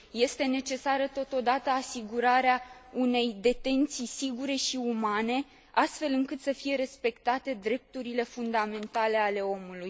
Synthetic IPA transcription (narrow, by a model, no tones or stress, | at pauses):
je̞st̪e̞ne̞t͡ʃe̞saɾət̪o̞t̪o̞d̪at̪əasiɡuɾaɾeaune̞jd̪e̞t̪e̞nt̪sijsiɡuɾe̞ʃiumane̞ | ast̪fe̞lɨŋkɨt̪səfije̞ɾe̞spe̞kt̪at̪e̞d̪ɾe̞p̚t̪uɾile̞fund̪ame̞nt̪ale̞ale̞o̞muluj